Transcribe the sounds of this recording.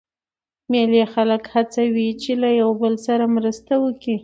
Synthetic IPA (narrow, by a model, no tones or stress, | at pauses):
melexaləkhat͡sawit͡ʃelajawbəlsaɾamɾəst̪awəki